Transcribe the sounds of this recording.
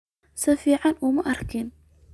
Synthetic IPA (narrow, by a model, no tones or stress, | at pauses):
sɐfiːʕɑnʔuːmɐʔɐrkʰɪn